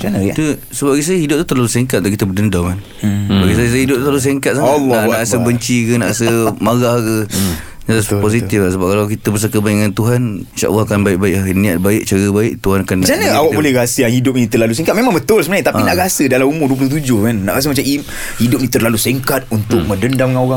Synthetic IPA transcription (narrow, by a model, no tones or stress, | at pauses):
d͡ʒant̪u | səbaɡajsajəhidʊp̪̚u̥t̪ərlaluseŋkat̪̚d̪akit̪əbədəndamkan | sbaɡajsajəs̬ajɦidʊp̪̚ut̪ɾalus̬eŋkat̪̚saalanaʔasəbəɲt͡ʃikənaʔasəmaɡahkə | naaspos̬it̪ifasəbap̚kalawkit̪əbəs̬kəbaɪʔŋant̪uɦaninʃa̰ʔa̰lːahkanbaɪʔ̚baɪʔahniaʔ̪̚baɪʔ̚t͡ʃaɾəbaɪʔt̪uɦanakanːd͡ʒanəawakbolɛɾasəjahidʊp̚nĩt̪əlaluseŋkat̪̚memãŋbət̪ʊlsəmənaɲət̪apinaʔɾasədalamumʊduəp̬ulʊht̪̬ud͡ʒʊhkanːa̰ʔɾas̬əmat͡ʃai | hidʊp̚nĩt̪ərlaluseŋkat̪̚unt̪ʊk̚mə̃dəndamŋanoɾaŋ